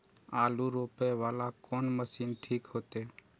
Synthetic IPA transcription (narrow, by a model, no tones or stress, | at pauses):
aːluːɾoːpeːʋaːlakoːnməsiːnʈʰiːkɦoːt̪eː